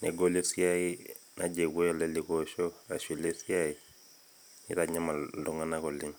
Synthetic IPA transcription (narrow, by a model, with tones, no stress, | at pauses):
nɛ˨ɡo˦li˦sja˦i˦ | na˦d͡ʒe˨wo˦jɔ˨lɛ˦li˨koʃɔ˦a˨ʃi˨le˦sja˦i˨ | nḭ˦ɾa˨ɲa˦ma˨dɔ˨˦ŋa˦na˦kɔ˨lɪ˦m